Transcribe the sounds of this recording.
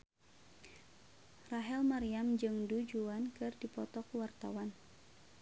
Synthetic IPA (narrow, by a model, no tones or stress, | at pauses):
raɦɛlmaɾiamd͡ʒɨŋdud͡ʒuankɨrdipɔt̪ɔkuwart̪awan